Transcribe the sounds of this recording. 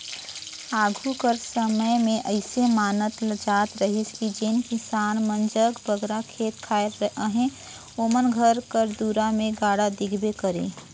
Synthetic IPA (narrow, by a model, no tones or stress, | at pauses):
aːɡʱukəɾsəməjmẽʔəɪsemaːnət̪ləd͡ʒaːt̪ɾəɦiskid͡ʒeːnkɪsaːnmə̃nd͡ʒəkbəɡɾakʰeːt̪̚kʰaːɪɾɦẽ | oːmənɡʱəɾkəɾd̪uɾamẽɡaːɽad̪ɪɡʱbekəɾḛ̃ː